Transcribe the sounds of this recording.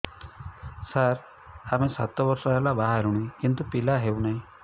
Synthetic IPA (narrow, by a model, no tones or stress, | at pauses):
saɾ | amesa̰t̪ɔbɔɾsɔɦelabaɦaɾuɽ̃ikint̪upilaɦewnaɦĩ